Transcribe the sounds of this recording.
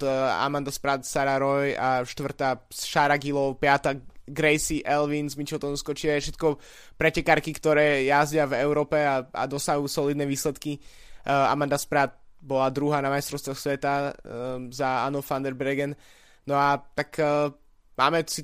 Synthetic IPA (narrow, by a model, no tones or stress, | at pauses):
a̰mand̪aspɾat̪saɾaɾɔjaʃt̪ʋr̩t̪aːsʃaːɾaɡilɔʊpɪat̪aɡɾɛjsiʔɛlʋinsmit͡ʃɔt̪ɔnuskɔt͡ʃiʋajɛfʃɛt̪kɔ | pɾɛcɛkaɾkikt̪ɔɾɛːjazɟɪavɛʊɾɔːpɛaa̰d̪ɔsaɦuːsɔlid̪nɛʋiːslɛt̪ki | a̰mand̪aspɾat̪̚bɔlad̪ɾuɦaːnamajst̪ɾɔʊst̪ʋɔxsʋɛt̪a | zaanɔfand̪ɛɾbɾɛɡɛn | nɔat̪akː | ma̰ːmɛsi